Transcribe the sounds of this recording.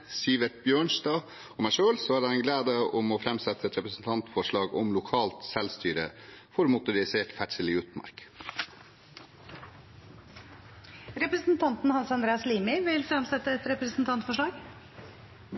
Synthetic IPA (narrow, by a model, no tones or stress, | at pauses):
siːʋɛt̪bjøːɳʂd̪ɑː | ɔmæɪʂøːlsɔhæːɖ̪ɛɛnɡleːd̪əɔmɔfɾɛmsɛt̪ʰːəɛt̪ɾɛpɾəsn̩t̪ʰɑnt̪fɔʂɭɑːɡɔmlʊkʰɑːlt̪sɛlst̪yːɾəfɔɾmʊt̪ʊɾɪseːʈfæʈsəlɪʉːt̪mɑ̰ɾk | ɾɛpɾəsn̩t̪ʰɑnt̪nhɑnsɑnd̪ɾeːɑsliːmɪʋɪlfɾɛmsɛt̪ːəɛt̪ɾɛpɾəsn̩t̪ʰɑnt̪fɔʂɭɑːɡ